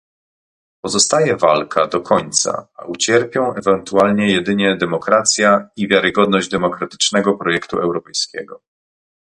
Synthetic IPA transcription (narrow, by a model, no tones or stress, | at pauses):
pɔzɔst̪ajɛvalkʰad̪ɔkʰɔɲt̪sa̰a̰ʔut͡ɕɛɾpʲjɔ̃w̃ɛvɛnt̪ualɲɛjɛd̪ɘɲɛd̪ɛmɔkɾat̪sʲjaivʲjaɾɘɡɔd̪nɔʑd͡ʑd̪ɛmɔkɾat̪ɘ̥t͡ʂnɛɡɔpɾɔjɛkt̪ṵɛwɾɔpɛjskʲɛ̰ɡɔ